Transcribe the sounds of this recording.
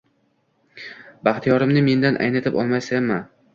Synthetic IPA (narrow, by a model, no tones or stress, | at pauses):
baχt̪ʰijɒɾɪmnɪme̞nd̪anʔa̰jnɪt̪ʰɪpɒ̰lˠmajsamːa